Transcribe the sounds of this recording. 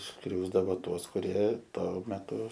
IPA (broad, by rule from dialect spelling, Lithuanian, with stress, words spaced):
ˈskrʲɛʊzdɐʋoːˈtuɔs kʊˈrʲiɛ ˈtoː mʲɛˈtʊ